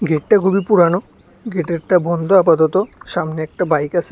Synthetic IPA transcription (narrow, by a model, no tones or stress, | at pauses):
ɡʱeʈʈakʰubipuɾano | ɡʱeʈeɾʈabɔnd̪ʱoapat̪ot̪oʃamneɛk̚ʈabajkasʰe